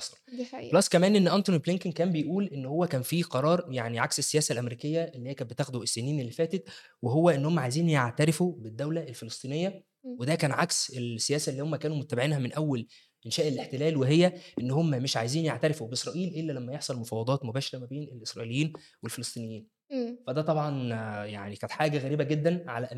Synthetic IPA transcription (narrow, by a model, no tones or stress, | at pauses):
ħsˤɑ̥llɑsˤːkæmæːnʔenːʔænt̪ˤonibleŋkenkæːmbejʔuːlʔenːhowːækæːnfiqɑɾˤɑːɾˤjaʕniʕaksesːejæːsælʔæmeɾiːkejːæʔelːhejːkæbet̪æːxd̪uʔesːeniːnelːifæːt̪et̪ | weɦowːæʔenːhomːæʕajziːnjeʕt̪æɾefubed̪ːæwlæʔelfelesˤt̪ˤiːnejːæ | wed̪ækæːnʕakselsːejæːsælːiːhomːækæːnumot̪ːæbeʕiːnhæmenʔæwːæl | ʔenʃæːʔeleħt̪elæːlweɦejːæʔenːhomːæmeʃʕajziːnjeʕt̪æɾefubeʔesɾˤɑːʔiːlʔelːælæmːæjeħsˤɑlmofɑːwɑd̪ˤɑːt̪mobæːʃeɾˤæmæbeːnelʔesɾˤɑʔilejːiːn | welfelest̪ˤiːnejːiːn | fæd̪æːt̪ˤɑbʕɑnja̰ʕnikæːnet̪ħaːɡæɣæɾiːbæɡed̪ːænʕa̰læʔæ